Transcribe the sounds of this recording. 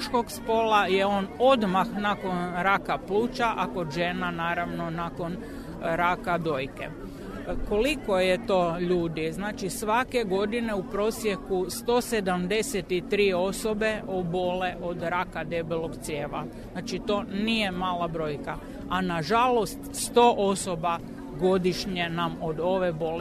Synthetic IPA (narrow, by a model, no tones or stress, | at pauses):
ʃko̞ɡspo̞lajeono̞d̪maxnako̞nɾakapluːt͡ʃaʔako̞d̪ʒe̞nanaːɾaʋno̞nako̞n | ɾakad̪o̞jke̞̰ | ko̞liko̞jet̪o̞ːʎuːd̪iznaːt͡ʃisʋake̞ɡo̞d̪ine̞upɾo̞sje̞kust̪o̞ːse̞d̪amd̪e̞set̪it̪ɾiːo̞so̞be̞ʔobo̞leʔo̞d̪ɾakad̪e̞biloɡt̪sjeːʋaznaːt͡ʃit̪o̞nije̞maːlabɾo̞ːjka | anaʒalo̞st̪st̪o̞ːʔo̞soba | ɡo̞d̪iʃɲenamo̞d̪o̞ʋe̞bo̞l